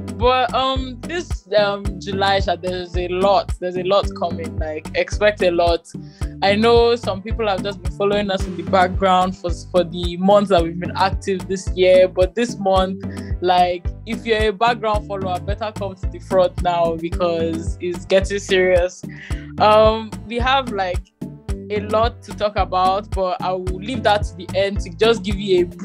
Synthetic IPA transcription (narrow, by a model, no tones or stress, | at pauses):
b̥ʌtʌ̃mðɪsʌmd͡ʒulaɪʃaðɛzelɔt̚ðɛzelɔtkʰʌmɪ̃ŋlaɪkɛkspɛk̚telɔtaɪnoʊsʌ̃mpipl̩ˠhəvd͡ʒʌsb̥ĩnfɔloɪ̃ŋʌsɪ̃nðɨbak̚ɡɹãʊ̃nd̥fəfɔðɨmʌ̃nθðat̚wivbĩna̰k̚tʰɪvðɪsjɪəbʌt̚ðɪsmʌ̃nθlaɪkɪfjə˞əbak̚ɡ̥ɹãʊ̃nd̥fɔloʊabɛtə˞kʰʌ̃mtʰɨðɨfɹʌ̃ntnaʊbɨkʰʌzitsɡɛtɪ̃ŋsɪɹiəsʔʌ̃mwiəvlaɪk | əlɔtʰːutʰɔkəbaʊt̚b̥ʌta̰ɪwɪlivðətʰəðiʔɛ̃ndtɨd͡ʒʌsɡɪvjue